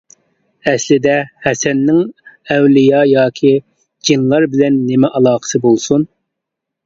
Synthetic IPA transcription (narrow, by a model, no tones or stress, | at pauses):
ɛslɪd̪ɛhɛsɛnːɪŋɛwlɪjɑjɑːkʲʰi | d͡ʒinlˠɑɾbɪlɛnːɪmɛʔɑlˠɑːχə̥sɨbolˠsun